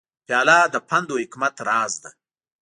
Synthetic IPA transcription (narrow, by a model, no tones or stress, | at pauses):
pjɑːlɑːd̪əpʰand̪ohɪkmat̪ɾɑːzd̪a